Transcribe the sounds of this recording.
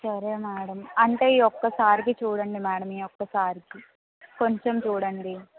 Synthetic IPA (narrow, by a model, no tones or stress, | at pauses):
sɐɾeːmɛːɽɐmɐɳʈeːiːɔkːɐsaːɾik̬it͡ʃuːɽɐɳɖimɛːɽɐmiːokːɐsaːɾiki | ko̞ɲt͡ʃemt͡ʃuːɽɐɳɖi